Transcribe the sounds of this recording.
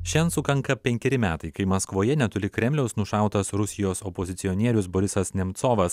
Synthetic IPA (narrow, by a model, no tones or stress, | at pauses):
ʃʲɛnsʊkɐŋkɐpʲɛŋʲkʲɛɾʲɪmʲæːt̪ɐɪkɐɪmɐskʋoːjɛnʲɛt̪ʊɾʲɪkɾʲɛmʲlʲɛʊsnʊʃɑˑʊt̪ɐsɾʊsʲɪjoːsɔpoːzʲɪt̪sʲɪɔnʲiɛɾʲʊsboɾʲɪsɐsnʲɛmt̪soːʋɐs